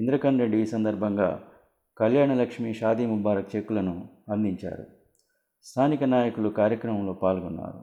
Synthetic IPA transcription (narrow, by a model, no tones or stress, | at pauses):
ind̪ɾɐkɐnɾeɳɖiːsɐnd̪ɐɾbʱɐŋɡa̰ː | kɐljaːɳɐlɐkʂmiʃaːd̪imubaːɾɐk̚t͡ʃekːulɐnu | ɐnd̪iɲt͡ʃa̰ːɾṵ | st̪ʰaːnikɐnaːjɐkulukaːɾjɐkɾɐmɐmlo̞ːpaːlɡɔnːa̰ːɾṵ